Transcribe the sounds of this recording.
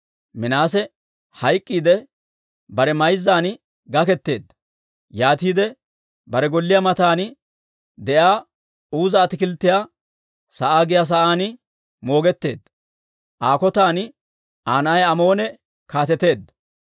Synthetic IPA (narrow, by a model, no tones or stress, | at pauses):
mɪnaːsɛ | hɐjkʼːiːd̪ɛ | bɐɾɛmɐjzːaːn | ɡɐkɛt̪ːe̞ːd̪ːɐ | jaːt̪iːd̪ɛ | bɐɾɛɡɔlːɪjamɐt̪aːn | d̪ɛjaː | uːzɐːt̪ɪkɪlt̪ːɪjaː | sɐʔaːɡɪjaːs̬ɐʔaːnɪ | mo̞ːɡɛt̪ːe̞ːd̪ː | ʔaːkɔt̪aːn | ʔaːnaːjɐmo̞ːnɛ | kaːt̪ɛt̪e̞ːd̪ːɐ